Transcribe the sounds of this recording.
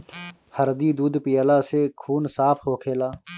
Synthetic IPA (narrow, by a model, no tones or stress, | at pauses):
həɾd̪iːd̪uːd̪pɪjaːlaːseːkʰuːnsaːpʰɦoːkʰeːlaː